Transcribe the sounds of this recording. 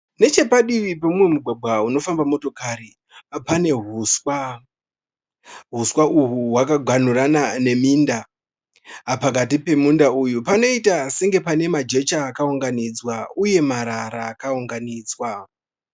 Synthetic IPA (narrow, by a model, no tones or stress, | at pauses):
ne̞t͡ʃe̞paɗiʋipamumwe̞muɡʱwaɡ͡bʱwauno̞fambamoto̞kaɾi | pane̞ɦuswa | ɦuswauɦuwakaɡʱan̤uranane̞minda | pak̬at̬ipe̞mundaujupano̞itaseŋɡe̞pane̞mad͡ʒe̞t͡ʃaːkauŋɡanid͡zwauje̞maɾaɾaːkauŋɡaniːd͡zwa